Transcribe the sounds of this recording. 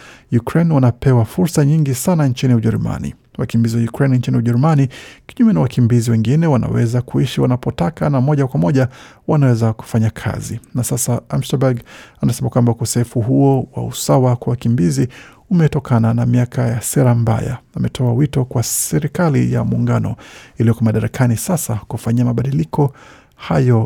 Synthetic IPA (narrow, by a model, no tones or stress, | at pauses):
jukɾɛnwanapɛwafuɾsaɲiŋɡisanant͡ʃiniuʄɛɾuma̰nḭ | wakimbiziwajukɾɛnint͡ʃiniuʄɛɾumanikiɲumɛnawakimbiziwɛŋɡinɛwana̰wɛzakuiʃiwanapɔtakanamɔʄakwamɔʄa | wanawɛzaku̥faɲakʰa̰zinasasaam̩ʃabaɡanasɛmakwambaukɔsɛfuɦuɔwa̰usawakwawakimbizi | umɛtɔkananamiakʰajasɛɾam̩ba̰ja̰amɛtʰɔawitɔkwasɛɾikalḭja̰muːŋɡanɔ̰ilijɔkɔmaɗaɾakʰanisasakufaɲiamaɓaɗilikʰɔ | hajɔ